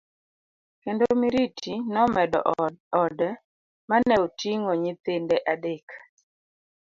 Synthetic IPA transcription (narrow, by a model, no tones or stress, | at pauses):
kendomiɾitʰinɔmɛdɔ̰ɔdɛ | manɛotʰiŋoɲit̪endɛʔadekḁ